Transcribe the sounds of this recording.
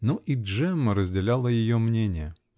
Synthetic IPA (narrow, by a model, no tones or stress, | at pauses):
noʔiʐɛməɾəzʲdʲɪlʲalˠəjɪjomnʲenʲɪjə